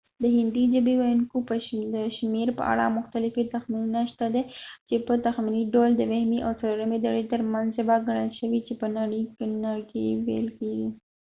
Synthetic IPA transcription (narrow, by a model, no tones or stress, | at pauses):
d̪əɦɪnd̪id͡ʒabiwajʊnkopəd̪əʃmeɾpə̰ʔa̰ɽa̰mʊxt̪alɪfet̪axminunaʃt̪ad̪et͡ʃepət̪axminiɖold̪əwehmiʔawt͡saloɾamed̪aɽet̪əɾmanzabaɡaɽ̃əlʃəwit͡ʃepənaɽiknakewḛlkeɡi